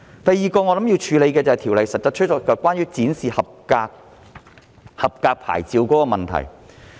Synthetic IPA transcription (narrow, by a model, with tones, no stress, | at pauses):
t̪ɐ˨jːiː˨kɔː˧ŋɔː˨˧lɐ˨˥mjiː˧wt͡ʃʰyː˨˧le˨˧jkɛː˧t͡sɐ˨hɐ˨˩t̪ʰi˨˩wlɐ˨jsɐ˨t̚t͡sɐ˨t̚t͡ʃʰɵ˥t͡sɔː˨˧kːɐ˨˧kʷwaː˥njyː˥t͡siː˨˥nsiː˨hɐ˨p̚kaː˧k̚ | hɐ˨p̚kaː˧k̚pʰa̰ː˨˩jt͡siː˧wkɔː˨˥kɔː˧mɐ˨nt̪ʰɐ̰˨˩j